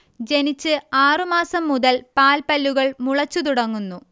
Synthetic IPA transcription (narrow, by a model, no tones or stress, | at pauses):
d͡ʑe̞nit͡ɕːɨaːrɨmaːsɐmːuðɐlpaːlpɐlːuɣɐɭmuɭɐt͡ɕːut̪̬uɽɐŋːunːu